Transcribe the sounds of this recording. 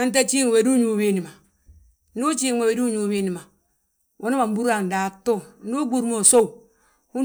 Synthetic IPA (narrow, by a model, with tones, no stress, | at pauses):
a˦n˦t̬a˦t͡ʃi˦ŋ˨we˨du˦ɲu˨˦wi˦ni˨ma˨ | nu˦t͡ʃi˦ŋwe˨we˨du˦ɲu˨˦wi˦ni˨ma˨ | wʔo˦nu˦ma˨m˦bu˦ɾa˨n˨da˨to˦nu˦ɡu˦ɾmo˨so˦u˨ | hu˦